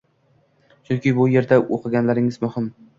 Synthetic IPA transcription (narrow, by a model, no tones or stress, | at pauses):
t͡ʃʰʊnkʲɪbʊje̞ɾd̪aʔoqʰɨɡʲanlaɾɪŋɪzmʊhɪm